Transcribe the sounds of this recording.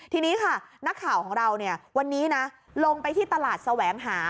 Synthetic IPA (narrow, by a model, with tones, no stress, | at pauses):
t̪ʰiː˧niː˦˥kʰa˥˩na˦˥kʰːaː˨˩˦wkʰɔː˩˦ŋɾa˧wni˥˩ɐwa˧nːiː˦˥na˦˥ | lo˧ŋpa˧jt̪ʰiː˥˩t̪a˧laː˨˩t̪̚sa˧wɛː˩˦ŋɦaː˩˦